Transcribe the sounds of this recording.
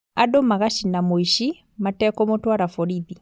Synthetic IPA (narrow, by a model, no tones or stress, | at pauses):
adomaɣaʃinamoiʃi | matɛkɔmotwaɾafɔɾiði